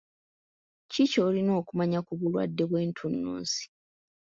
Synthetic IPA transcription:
cico̞ːlino̞ːkumaɲakuβulwa̰dːe̞βwe̞ːntʰunːṵːnsi̥

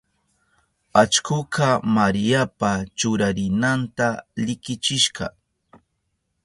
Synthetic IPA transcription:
at͡ʃkʊqɑmaɾijapat͡ʃʊɾaɾɪnant̪aʎɪkɪt͡ʃɪʃɢɑ

